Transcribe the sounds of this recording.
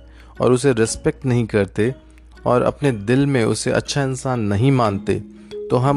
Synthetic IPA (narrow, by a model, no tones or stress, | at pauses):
ɔ̰ːɾʊseɾɪspɛk̚ʈnɐɦĩkɐɾt̪e | ɔːɾɐ̰pned̪ɪlmẽʊ̰seʔɐ̰tːʃʰaɪnsaːnːɐɦĩmãːnt̪ḛː | t̪oːɦɐm